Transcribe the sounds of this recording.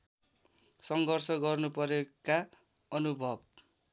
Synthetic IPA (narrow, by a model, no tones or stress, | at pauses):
sʌŋɡʱʌrsʌɡʌrnupʌɾjoka | ʌnubʱʌb̚